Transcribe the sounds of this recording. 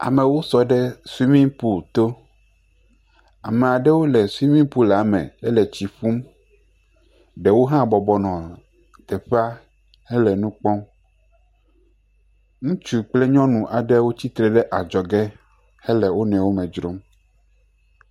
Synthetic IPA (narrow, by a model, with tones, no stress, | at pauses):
a̰˨mẽ˨wo˦sɔ˨ɖɛ˦su˦i˦mĩ˦pu˦lt̪o˦ | a̰˨me˨a˨ɖɛ˦wo˦lɛ˨su˦i˦mĩ˦pu˦la˨˦mɛ̰̃˨ɛ˦lɛ˨t͡ɕi˨ɸu˦m | ɖɛ˨wo˦ɦã˦bɔ˨bɔ˨nɔ̃˨ | t̪ɛ˨ɸe˦a˦ | hɛ˦lɛ˨nũ˦k͡pɔ̃˦ | ŋũ˦t͡ʃu˦k͡ple˦ɲɔ̃˦nũ˨ʔa˨ɖɛ˦wo˦t͡ɕi˦t̪ɾɛ˨ɖɛ˦ʔa˨d͡ʒɔ˨ɡɛ˦ | hɛ˦lɛ˨wo˦nɛ̃˨wo˦mɛ̃˨d͡ʒɾo˦m